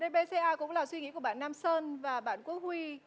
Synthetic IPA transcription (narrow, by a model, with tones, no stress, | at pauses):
ɗe˧ɓe˧se˧ʔaː˧kʊ̰˧˥ŋ͡mlaː˨˩swi˧ŋḭ˧˥˦ku˧˩əɓaː˧˨nːaː˧msəː˧nvaː˨˩ɓa̰ː˧˨nku˨˦əhwi˧